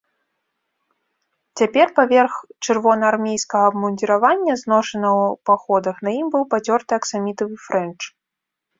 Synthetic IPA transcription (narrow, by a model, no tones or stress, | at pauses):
t͡sʲapʲɛrpavʲɛrxt͡ʂɨrvɔnɐarmʲejskɐɣɐːbmunʲd̪ʲiɾavanʲːɐznɔʂɐnɐwpaxɔd̪ɐxnɐjimbɨwpat͡sʲɔrt̪ɨɐksamʲit̪ɐvɨfɾɛnt͡ʂ